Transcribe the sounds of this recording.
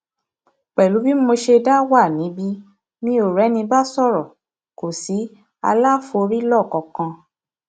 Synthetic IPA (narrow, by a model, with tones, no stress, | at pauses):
k͡pɛ˨lu˨˦bi˦m̩˦mo˧ʃe˧da˦wa˦˨nĩ˨˦bi˦ | nĩ˦o˦˨ɾɛ˨˦nĩ˧ba˦sɔ˦˨ɾɔ˨ | ko˨si˨˦ | a̰˧la˦fo˧o˧ɾi˦lɔ˦˨kɔ˨kã˧